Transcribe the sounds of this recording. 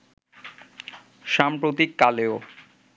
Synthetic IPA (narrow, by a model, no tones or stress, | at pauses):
ʃampɾot̪ikːaleo